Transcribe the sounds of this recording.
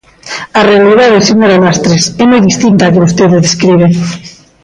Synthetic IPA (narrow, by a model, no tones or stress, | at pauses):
arealiðaðeseɲoɾamast̪ɾesɛmojðist̪int̪aːkɪβost̪eðɪðeskɾiβe